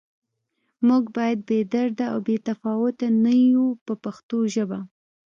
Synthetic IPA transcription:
muɡbɑjad̪̚bed̪aɾd̪aawbet̪afɑwʊt̪anajupəpaxt̪oʒəba

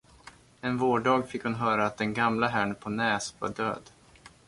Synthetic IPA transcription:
ɛnvoːɖɑːɡfɪkhʊnɦœːɾaːt̪̚d̪ɛnɡamlaɦæɳpʰɔnɛːsva̰ɖø̰ːd̪

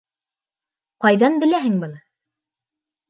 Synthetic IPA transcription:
qɑjðɑnbɘ̆læɦɘŋbɤlˠ

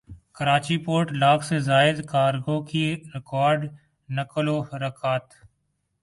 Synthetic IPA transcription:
kəɾaːt͡ʃipoːɾʈlaːksezaːɪd̪kaːɾɡoːkiɾɪkaːɾɖ | nəkəloːɾəkʰaːt̪

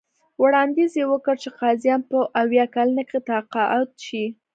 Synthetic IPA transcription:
wɽɑnd̪izjewəkəɾt͡ʃeqɑzjɑnpəʔawjɑkalənaket̪aqɑʔat̪̚ʃi

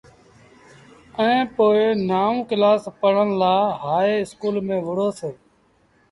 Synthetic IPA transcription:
əẽːpoːenaːũːkɪlaːspəɽ̤ənlaːɦaːeːɪskuːlmẽːʋəɽ̤oːseː

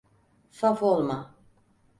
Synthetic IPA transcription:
safolˠma

